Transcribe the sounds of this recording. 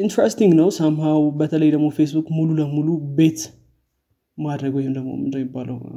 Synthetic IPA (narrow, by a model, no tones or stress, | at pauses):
ʔint̪ɾɛst̪ɪŋɡnəwsamhawbət̪ʰələjd̪əɡmofe̞sbukmululəmulube̞t̪ | mad̪ɾəɡjɪhɪmd̪əɡmo̰md̪əjmɪbːalə̰w